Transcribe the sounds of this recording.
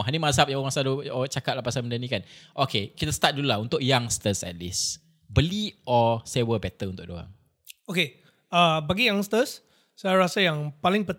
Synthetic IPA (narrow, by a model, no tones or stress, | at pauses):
ɦanimazap̚jaŋãsadot͡ʃakat̚lahpasaməndanĩkanʔokʰekit̪ast̪at̪̚dulaunt̪ʊk̚jaŋst̪əsɛ̰t̪̚lḭs | bəliʔɔsewəbɛt̪əunt̪ʊk̚do̰a̰ŋ | oke | abaɡijãŋst̪əsː | ajaɾasajaŋpalɪŋpət̪